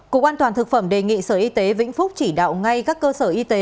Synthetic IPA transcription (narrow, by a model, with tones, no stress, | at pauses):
ko̰˧˦kʔaː˧nt̪waː˨˩nt̪ʰɨ˨˩k̚fə˧˩mɗe˨˩ŋḭ˧˨səː˧˩ʔi˧t̪e˨˦vḭ̈˧˥ŋ̟fʊ˦˥k͡p̚t͡ɕi˧˩ɗa̰ː˧˨wŋa˧jkaː˦˥kːəː˧səː˧˩ʔi˧t̪e˨˦